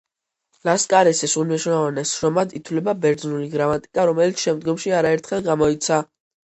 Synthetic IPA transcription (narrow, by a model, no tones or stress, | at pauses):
laskʼaɾɛsɛsulmɛʃnavanɛsʃɾɔmad̪it̪ʰwlɛbabɛɾd̪znuliɡɾamat̪ʼi̥kʼaɾɔmɛlit̪sʃɛmd̪ɡɔmʃiaɾaɛɾt̪ʰχɛlˠɡamɔit̪sʰa